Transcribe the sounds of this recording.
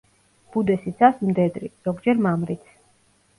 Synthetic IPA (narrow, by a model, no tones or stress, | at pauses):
b̥ud̪ɛsit̪sasmd̪ɛd̪ɾḭz̥ɔɡd͡ʒɛɾmamɾit̪sʰ